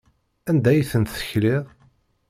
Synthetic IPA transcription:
ænd̪æjiθənt̪θə̥çlɪðˤ

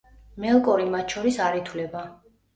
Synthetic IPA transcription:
mɛlˠkʼɔɾimat̪ʰʃʰɔɾisaɾit̪ʰwlɛba

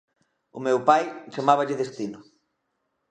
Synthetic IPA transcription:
ʊmewpajt͡ʃamaβɐʎɪðest̪inʊ

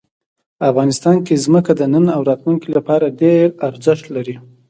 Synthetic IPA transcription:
pafɣɑnɪst̪ɑnkezməkad̪ənənawɾɑt̪lunkilapɑɾaɖeɾaɾzəʃt̪laɾi

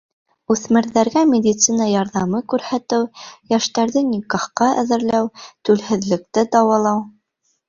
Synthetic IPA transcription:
ʉθmɘ̆ɾðæɾɡæmʲɪd̪ʲit̪sinɑjɑɾðɑmɤkʉɾhæt̪ɘwjæʃt̪æɾðɘnʲikɑχqɑæ̰ðɘ̆ɾlæwt̪ʉlhɘ̆ðlɘ̆k̚t̪ɘd̪ɑwɑlˠɑw

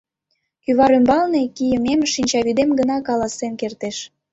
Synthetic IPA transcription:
kyβɑɾymbɑlnekijəmemʃinʲt͡ɕɑβyd̪emɡənɑkɑlɑsemkert̪eʃ

